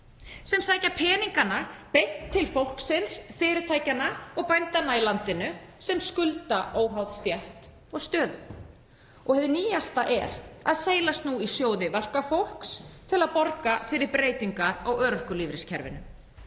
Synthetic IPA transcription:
sɛmsaːjcapʰɛːniŋkanapejhtt̪ʰːɪlfowl̥ksɪnsfɪːɾɪt̪ʰaːjcanːaɔɣpajnt̪anːailant̪ɪnʏsɛmskʏlt̪aʔoːwɦawðst̪jɛht̪ | ɔɣst̪œːðʏ | ɔɣhɛðʏniːjast̪aʔɛɾ̥aðseːjlast̪nuisjoːwðɪvɛr̥kafowl̥kst̪ʰɪlaðpɔɾkafɪɾɪɾpɾeːjt̪iŋkaawœːɾʏhkʏliːvɾɪscʰɛɾvɪ̰nʏm

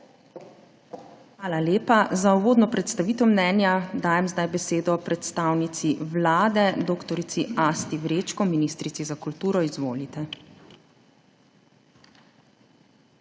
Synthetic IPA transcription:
xʋaːlaleːpazauʋoːd̪nɔpɾɛt̪st̪aʋiːt̪ɛmnɛːnjad̪aːjɛmzd̪ajbɛseːd̪ɔpɾɛt̪st̪awnit̪siʋlaːd̪ɛd̪oːkt̪ɔɾit̪siast̪iʋɾeːt͡ʃkɔminist̪ɾit̪sizakult̪uːɾɔizʋo̰ːlit̪ɛ

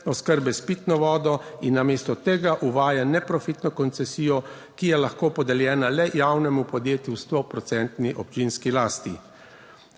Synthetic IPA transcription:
ɔskəɾbɛspit̪nɔʋɔːd̪ɔinːameːst̪ɔt̪eːɡaʔuʋaːjanɛpɾɔfit̪nɔkɔnt̪sɛsiːjɔ | kijɛlaxkoːpɔd̪ɛljɛːnalɛjawnɛmupɔd̪jeːt̪just̪opɾɔt̪sɛnt̪niʔɔp̚t͡ʃinskilaːst̪i

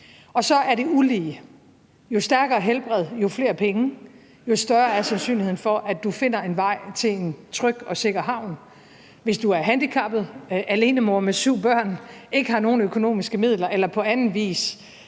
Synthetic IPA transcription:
ɒ̽sɒ̽ʔæɐɾe̝uliː | jo̝sd̥æɐɡ̥ɐːɦelb̥ʁɛð̰ˠjo̝fle̝̰ːɐpʰeŋə | jo̝sd̥ɶɐæɐsænsy̰ːnlihe̝n̩fɒ̽ʔæd̥ufe̝n̰ɐe̝nʋɑ̈ɪ̰t͡sʰe̝le̝nt͡sʰʁœɡ̥ɒ̽se̝ɡ̥ɐɦɑ̈ʊ̰n | ʋe̝sd̥uæɐɦænd̥ikʰɑ̈b̥ð̞̩ˠʔæle̝ːnəmo̝ɐmesyʊ̰b̥ɶɐ̰ne̝ɡ̥əɦɑ̈no̝ːn̩økʰo̝no̝̰ːmisɡ̥əmið̰ˠlɐʔelɐpʰɒ̽ænn̩ʋḭːs

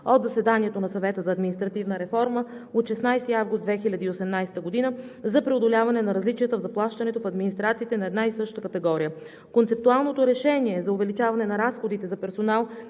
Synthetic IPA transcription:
od̪zɐsɛd̪anʲiɛt̪onɐsɐvɛt̪əzɐːd̪minist̪ɾɐt̪ivnəɾɛfɔɾməot̪ʃɛsnajst̪iavɡʊst̪d̪vɛxilʲɐd̪iːosɛmnajst̪əɡod̪inəzɐpɾɛod̪olʲavɐnɛnɐɾɐzlit͡ʃijət̪əvzɐplˠaʃt̪ɐnɛt̪ofɐd̪minist̪ɾat̪siːt̪ɛnɐɛd̪naisɤʃt̪əkɐt̪ɛɡɔɾijə | kont̪sɛp̚t̪ualˠnot̪oɾɛʃɛniɛzɐʊvɛlit͡ʃavɐnɛnɐɾasxod̪it̪ɛzɐpɛɾsonalˠ

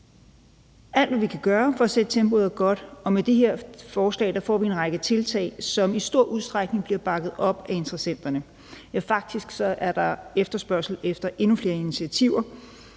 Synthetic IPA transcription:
æl̰d̥ʋæʋikʰæɡ̥ɶːɐfɒsed̥t͡sʰemb̥o̝ðˠɐɡ̥ɒ̽d̥ɒ̽med̥eɦeɐ̰fɒːslɛ̰ːd̥ɑ̈fɒ̰ːʋie̝nʁɑ̈ɡ̥ət͡sʰe̝lt͡sʰɛ̰ɪsɒ̽misd̥o̝ɐ̰ʔuð̞ˠsd̥ʁäɡ̥ne̝ŋb̥liɐb̥ɑ̈ɡ̥ð̩ˠɒ̽b̥æe̝nt͡sʁɐsen̰d̥ɐnə | jæfɑ̈ɡ̥̚d̥isɡ̥sɒ̽ʔæɐd̥ɑ̈efd̥ɐsb̥ɶɐsl̩efd̥ɐʔe̝nufle̝ːɐinit͡sʰiæt͡sʰiʊ̰ɐ

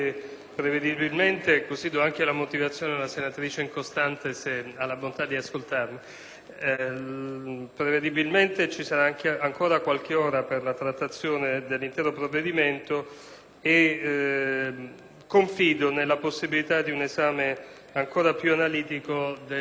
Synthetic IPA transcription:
pɾeved̪ibilment̪ekosiːd̪oaŋk̟elamot̪ivat̪sːjoːned̪elasenat̪ɾiːt͡ʃeiŋkost̪ant̪esealːabont̪ad̪ːiaskolt̪armi | pɾeved̪ibilment̪et͡ʃisaɾaaŋkeaŋkoːɾakwalk̟eoːɾaperlat̪ɾat̪ːat̪sːjoːned̪elːint̪ɛːɾopɾovːed̪iment̪o | e | kːoɱfiːd̪onelːaposːibilit̪ad̪iunezaːme | aŋkoːɾapjuanaliːt̪ikod̪e

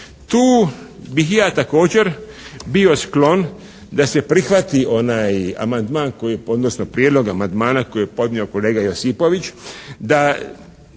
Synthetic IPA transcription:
t̪uːbixjaːt̪ako̞ːd͡ʑe̞ɾ | bio̞sklo̞n | d̪ase̞pɾixʋat̪iʔo̞naːja̰mand̪maːnko̞jieo̞d̪nosnopɾjed̪lo̞ɡamand̪maːnako̞jijepo̞d̪nio̞ko̞le̞ːɡajo̞sipo̞ʋit͡ʃd̪a

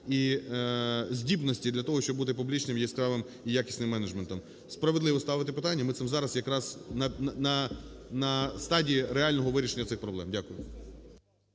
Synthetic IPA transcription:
i | zʲdʲibnɔsʲtʲid̪lʲɐt̪ɔɦɔʃt͡ʃɔbut̪ɪpublʲit͡ʃnɪmjiskɾɑʋɪm | ijakʲi̥sʲnɪmːɛnɐd͡ʒment̪ɔm | spɾɐʋed̪lˠɪʋɔst̪ɑʋɪt̪ɪpɪt̪ɑnʲːɐmɪt̪ɛmzɑɾɐsjɐkɾɑz̥nɐnɐnɐst̪ɑdʲiiɾeɑlʲnɔɦɔʋɪɾʲiʃenʲːɐt̪sɪxpɾɔblˠɛ̰mdʲakʊjʊ

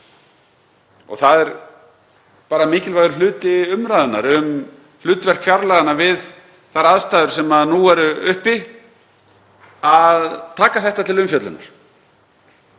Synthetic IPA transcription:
ɔ̰ɣθaðɛɾ | paːɾamɪːcɪlvajɣðʏɾlʏːt̪ɪʏmɾaðʏnːa̰ɾʏm | l̥ʏːt̪vɛr̥kfjaɾlaɣanːavɪð | θaɾaðst̪aːjðʏɾ̥sɛmaðnuɛɾʏʏhpi | aðt̪ʰaːkaθɛht̪at̪ʰɪlʏmfjœt̪lʏ̰nːa̰ɾ̥

